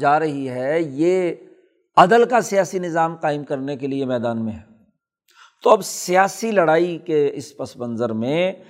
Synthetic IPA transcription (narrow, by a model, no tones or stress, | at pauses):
d͡ʒaːɾɐɦiɦɛjeː | ɐd̪əlkasijaːsinɪzaːmqaːɪmkɐɾnekeliemɛːd̪aːnmẽɦɛː | t̪oɐbsijaːsilɐɽaːikeɪspɐsbə̃nzəɾmẽ